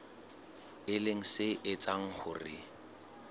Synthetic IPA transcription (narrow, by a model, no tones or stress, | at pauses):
ɪleŋ̩sɪʔɪt͡sʼaŋ̩hʊ̰rɪ̰